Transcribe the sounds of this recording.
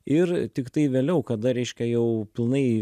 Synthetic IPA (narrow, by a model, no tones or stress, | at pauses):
ɪrt̪ʲɪkt̪ɐɪʋʲeːlʲɛʊkɐd̪ɐɾʲɛɪʃʲkʲɛjɛʊpʲɪlˠnɐɪ